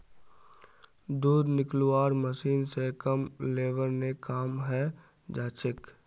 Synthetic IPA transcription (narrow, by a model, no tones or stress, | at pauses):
d̪uːd̪nɪkluwaːɾməsiːnsekəmleːʋəɾnekaːmɦɛ | d͡ʒaːt͡ʃʰɪk